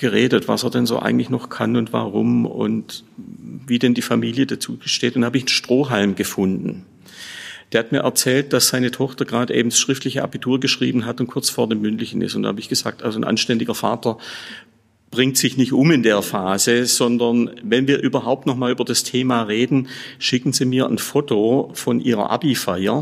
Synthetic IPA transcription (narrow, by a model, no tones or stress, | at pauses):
ɡ̥əʁeːdətv̥a̰seːɐdɛnzo̰ːʔa̰ɪɡŋ̩tlɪçnɔχkʰanʊntv̥a̰ʁʊ̰mʊ̰nt | viːdɛndiːfamiːljədat͡suːʃteːtʊntdahaːbəɪçn̩ʃtʁ̥oːɦalmɡəfʊndn̩ | d̥eːɐhatmiːɐʔɛɐt͡sɛːlt̚d̥asz̥aɪnətʰɔχtɐɡʁaːdʔḛːbm̩dsʃʁ̥ɪftlɪçəʔa̰bitʰuːɐɡəʃʁ̥iːbn̩ɦatʊntkʰʊɐt͡sfoːɐdeːmːʏntlɪçn̩ɪ̰stʊnd̥a̰haːbəɪçɡ̥əz̥a̰ːk̚tʔalzonʔa̰nʃtɛndɪɡɐfa̰ːtɐ | b̥ʁɪŋtsɪçnɪçtʔʊmɪndeːɐfaːzəz̥ɔndɐnvɛnviːɐʔyːbɐɦaʊp̚tnɔχmaːlʔyːbɐdastʰeːmaːʁeːdn̩ʃɪkn̩ziːmiːɐʔə̰nfotʰofɔnʔḭːʁɐ̰ʔa̰bifaɪɐ